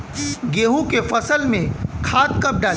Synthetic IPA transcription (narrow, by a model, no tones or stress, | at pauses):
ɡeːɦũkefɐsəlmẽkʰaːt̪̚kɐp̚ɖaː